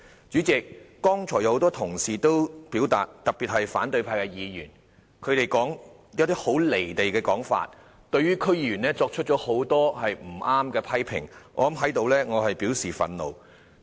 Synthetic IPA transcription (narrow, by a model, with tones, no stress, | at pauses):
t͡ʃyː˨˥t͡sɪ˨k̚ːɔː˥ŋt͡ʃʰɔː˨˩jɐ˧wht̪ɔː˥t̪ʰʊ˨˩ŋsiː˨t̪o˥wpiː˨˥wt̪a̰ː˨t̚t̪ɐ˨˩pi˨t̚hɐ˨jfaː˨˥nt̪ɵ˧ɥpʰaː˧jkɛ˧jiː˨˧jy̰ː˨˩n | kʰɵ˨˧ɥt̪e˨jkɔː˨˥ŋ | jɐ˧˥wt̪iː˥ho˨˥wle˨˩jt̪e˨jkɛː˧kɔː˨˥ŋfa̰ː˧t̚ | t̪ɵ˧ɥyː˥kʰɵ˥ɥjiː˧jyː˨˩nɛː˥t͡sɔː˧k̚t͡ʃʰɵ˥t̚t͡ʃɔː˨˥ho˨˥wt̪ɔː˥hɐ˨jm̩˨˩ʔaː˥mkɛː˧pʰɐ˥jpʰɪ̰˨˩ŋʔɔː˨˧lɐ˨˦mɦɐ˨˥jt̪o˨˧wlɛː˥ŋɔː˨˧hɐ˨jpiː˨˥wsiː˨fɐ̰˨˧nlo̰˨w